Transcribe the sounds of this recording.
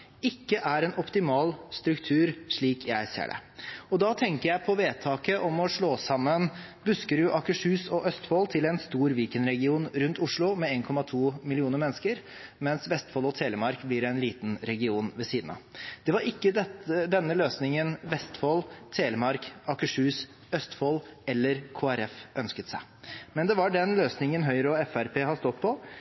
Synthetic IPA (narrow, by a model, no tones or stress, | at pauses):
ɪkːəʔæɾɛnʔɔpt̪ɪmɑːlst̪ɾʉkt̪ʰʉːɾʂɭiːkʰjæɪsḛːɖɛ̰ɔd̪ɑt̪ʰɛŋkəɾjæɪpʰɔʋeːt̪ʰɑːkəʔɔmɔʂɭoːsɑmːən | bʉskəɾjʊʔɑkəʂʉːsɔʔœst̪foːlt̪ʰɪlɛnst̪uːɾʋiːkənɾɛɡɪuːnɾʉnt̪ʊʂɭʊmɛeːnkʰɔmɑt̪ʰuːmɪlɪuːnəɾmɛnːəskəɾ | mɛnsʋɛst̪fɔlɔt̪ʰeːləmɑɾkblɪɾɛɪnliːt̪n̩ɾɛɡɪuːnʋɛsiːd̪n̩ɑ̰d̪̥ɛʋɑɾɪkːəd̪ɛt̪əd̪ɛnːəløːsnɪŋənʋɛst̪fɔlt̪ʰeːləmɑɾkɑkəʂʉːs | œst̪fɔːlɛlːəɾkʰoːæɾɛfʔœnskət̪sæɪ | mɛnd̪ɛʋɑɖɛnløːsnɪŋənɦœʏɾɔɛfæɾpʰeːhɑst̪ɔd̪pʰɔ